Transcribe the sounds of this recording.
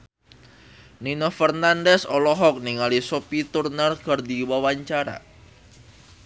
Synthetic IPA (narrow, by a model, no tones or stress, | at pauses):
ninɔfərnandɛsɔlɔɦɔk̚niŋalisopit̪urnərkərdiwawaɲt͡ʃaɾa̰